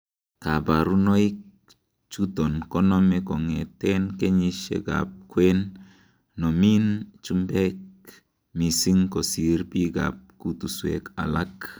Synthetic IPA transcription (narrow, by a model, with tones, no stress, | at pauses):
ka˨ba˨ɾu˦no˦i˦k | t͡ʃu˦tɔ˨nkɔ˦nɔ˦mɛ˨kɔ˨ŋɛ˨tɛ˦nke˦ɲi˦ʃḛ˦ɡa̰˨p̚kwe˦nː | ɔ˨mi˦nt͡ʃu˦mbɛ˦k̚ | mi˨si˦ŋko˨si˨ɾbi˦ɡa̰˨p̚ku˦tu˨swḛ˨ka̰˨la˦k